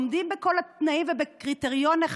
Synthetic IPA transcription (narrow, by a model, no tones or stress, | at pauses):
md̪imbekolat̪naimvebekʁit̪eʁjoneχ